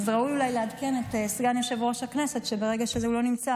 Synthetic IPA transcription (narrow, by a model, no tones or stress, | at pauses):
zʁaujulajlead̪ke̞netesɡaneʃevʁo̞ʃakne̞se̞tʃebeʁe̞ɡaʃezeulo̞nimt͡sa